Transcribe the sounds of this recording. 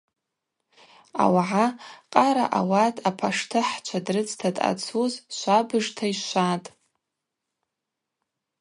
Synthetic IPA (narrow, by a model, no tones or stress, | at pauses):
a̰waʕaqʼaɾa̰ʔawatʼapʰaʂtʰɨħt͡ʃʷʰadrɨt͡sʰtʰatʼa̰t͡sʰuzʃʷabɨʐtʰaiʃʷatʼ